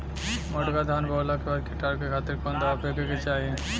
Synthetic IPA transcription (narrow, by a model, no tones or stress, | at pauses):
mɔʈɡad̪ʱanbɔlakebaɾkiʈaɾkekʰat̪ːeɾkɔnd̪ɔapekeket͡ɕaje